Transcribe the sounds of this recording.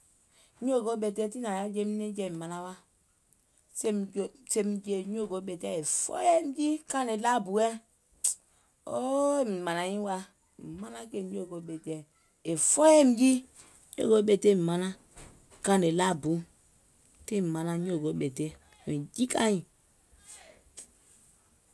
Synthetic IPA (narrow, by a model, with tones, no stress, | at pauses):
ɲ˦o˦˨ɡo˦ɓe˨te˦ti˦na˨ja˦d͡ʒe˦m˦ne˦d͡ʒe˦˨mi˨ma˨na˦wa˦ | se˦md͡ʒse˦m˦d͡ʒe˦ɲ˦o˦˨ɡo˨˦ɓe˨te˦e˨fɔ̰˦jɛ˦m˨˦d͡ʒi˦ka˦ne˨la˦bu˨ɛ˦ | o˦˨mi˨ma˨na˨jĩ˦wa˦ | mi˨ma˦na˦ke˦˨ɲo˦˨ɡo˨˦ɓe˨tɛ˨ | e˨fɔ˦jɛ˦m̩˨˦d͡ʒi˦ | ɲo̰˦˨ɡo˦ɓe˨te˦˨m˨ma˨na˦ | kã˦˨ne˨la˦bu˨˦ | te˦m̩˨ma˨na˦ɲ˦o˦˨ɡo˨˦ɓe˨te˦˨ | i˨d͡ʒi˦ka˦ji˨